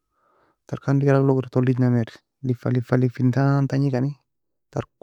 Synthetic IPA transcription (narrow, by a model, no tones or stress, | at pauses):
taɾkandikaɾakloɡɾtolid͡ʒnameɾ | lifalifalifintant̪aɲikani | taɾ